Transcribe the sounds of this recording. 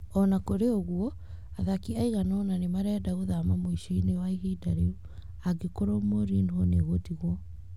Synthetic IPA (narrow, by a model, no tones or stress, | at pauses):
ɔnakoɾeoɣuɔ | aðakiaiɣanɔnanemaɾɛːdaɣoðamamoiʃiinewaiɣidaɾeu | aɡekoɾomoɾinhoneɣotiɣwɔ